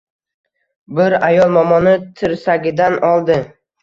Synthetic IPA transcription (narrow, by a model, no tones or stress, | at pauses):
bɪɾajɒlˠmɒmɒnɪt̪ʰɪɾsaɡʲɪd̪anɒlˠd̪ɪ